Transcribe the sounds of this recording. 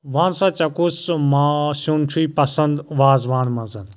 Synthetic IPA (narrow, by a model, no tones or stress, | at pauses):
ʋãːnsãːt͡ʃɐkusmãsunt͡ʃʰuipɐsɐnd̪ʋaːzʋãːnmɐ̃zɐn